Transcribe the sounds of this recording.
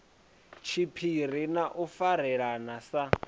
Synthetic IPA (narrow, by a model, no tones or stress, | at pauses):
t͡ʃʰipʰirinaʔufaɾɛɺanasa